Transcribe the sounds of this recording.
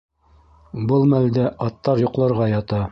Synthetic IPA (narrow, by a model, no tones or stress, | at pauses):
bɤlˠmæld̪æʔɑt̪ːɑɾjŏqlˠɑ̆ɾʁɑjɑt̪ɑ